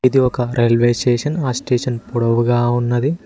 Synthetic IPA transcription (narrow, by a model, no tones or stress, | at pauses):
id̪iɔkɐɾʔelʋeːsʈeːʂɐnaːsʈeːʂɐnpuɽɐʋuɡaːunːɐd̪i